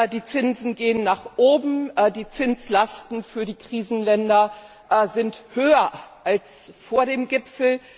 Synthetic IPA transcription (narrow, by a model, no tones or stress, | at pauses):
diːt͡sɪnzn̩ɡeːənːaːχʔoːbm̩diːt͡sɪnt͡slastn̩fyːɐdiːkʁ̥iːzn̩lɛndɐ | zɪnthøːɐʔalsfoːɐɾeːmɡɪpfl̩